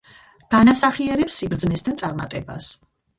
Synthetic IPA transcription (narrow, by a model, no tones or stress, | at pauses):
ɡ̥anasaχiɛɾɛpsːibɾd̪znɛst̪ʰant̪sʼaɾma̰t̪ʼɛba̰s